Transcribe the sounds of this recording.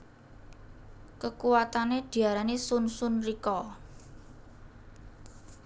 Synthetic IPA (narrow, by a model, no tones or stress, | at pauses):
kəkuwat̪aneɖ̪̥i̤aɾanesʊnsʊnrikɔ